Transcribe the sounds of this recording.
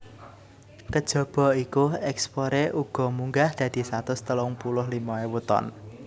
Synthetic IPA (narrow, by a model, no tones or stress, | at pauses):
k̪əd̥ʒ̥ɔ̤b̥ɔ̤ikuɛkspoɾeʔuɡ̥ɔ̤muŋɡahd̪̥ä̤d̪̥i̤sat̪ʊst̪əlʊŋpulʊɦlimɔewut̪ɔ̰n